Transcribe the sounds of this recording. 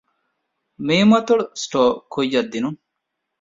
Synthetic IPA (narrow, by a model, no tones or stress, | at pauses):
miːmɐt̪uɽusʈoːkojːɐd̪ːinuŋ